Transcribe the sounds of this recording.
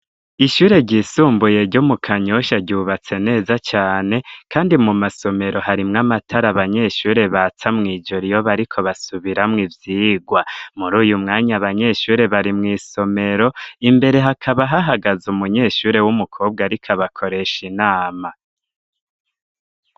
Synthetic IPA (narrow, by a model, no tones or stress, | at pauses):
iʃuːɾe̞ɟiːsuːmbuje̞ɾɟomukʰaɲo̞ʃaɾɟuːβat͡se̞ne̞ːzat͡ʃaːne̞kaːndimumaso̞me̞ɾo̞haɾimŋamatʰaɾaβaɲe̞ʃuːɾe̞βat͡samŋiːd͡ʒoɾijoβaɾikʰo̞βasuβiɾamŋivjiːɡwamuɾuːjumŋaːɲaβaɲe̞ʃuːɾe̞βaɾimŋiːso̞me̞ɾo̞imbe̞ɾe̞ɦakʰaβaɦaɦaɡazumuɲe̞ʃuːɾe̞wumukʰoːb̚ɡaɾikʰaβakʰo̞ɾe̞ʃinaːma